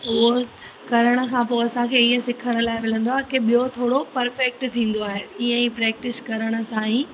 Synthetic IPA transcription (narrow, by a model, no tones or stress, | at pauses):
oː | kɐɾəɽ̃ə̆kʰãːpoːɐsãkʰeːiɦə̃sɪkʰəɽ̃ə̆laːɪmɪl̤ə̃nd̪oaːɦekeɓijot̪ʰoːɽopɐɾfɛk̚ʈt̪ʰĩːn̆d̪oaːɦeiːə̃ĩːpɾɛːk̚ʈɪskɐɾəɽ̃ə̆sãːĩː